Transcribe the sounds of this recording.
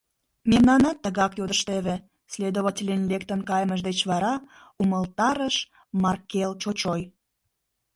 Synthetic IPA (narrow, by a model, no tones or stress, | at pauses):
memnɑnɑt̪ːəɣɑkjod̪əʃt̪eβĕ | sled̪oβətʲilʲenlʲek̚t̪ənkɑjməʒd̪et͡ɕβɑɾɑ | uməlt̪ɑɾəʃ | mɑrkelt͡ɕot͡ɕoj